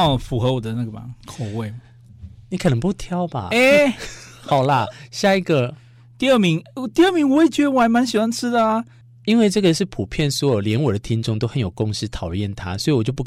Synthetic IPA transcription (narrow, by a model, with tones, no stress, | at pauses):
fu˨˥xɤ˧˥wɔ˨˩d̪ə˦na˥˩ɡə˨˩ɐ̰˨˩kʰo˨˩we˥˩ɪ | ni˨˥kʰə˨˩nə˧˦ŋpu˥˩t̪ʰjɑ˥ʊba̰˨˩e˥˩ | xɑ˨˩ʊlə˧ɕja˥˧i˧˥ɡə˧ | t̪i˥˧ə˥˩mi˧˥ŋ˧t̪i˥˧ə˥˩mi˧˥ŋwɔ˧e˥˩t͡ɕɥɛ˧˥ə˧wa˧˥nma˧˦nɕi˨˩wa˥nʈ͡ʂʰɻ̩˥d̪ə˨a˩ | i˥nwe˥˧ɪʈ͡ʂɤ˥˩ɡə˩ʂɻ̩˥˩pʰu˨˩pʰjɛ˥˩nswɔ˧˥˨ljɛ˧˥nwɔ˨˩d̪ə˦t̪ʰi˥ŋʈ͡ʂʊ˥˧ŋt̪o˥ʊxə˧˦njo˨˩ʊkʊ˥˧ŋʂɻ̩˥˧t̪ʰɑ˨˩ʊjɛ˥˩nt̪ʰa˦swɔ˧˥i˨wɔ˨t͡ɕjo˥˧ʊpu˥k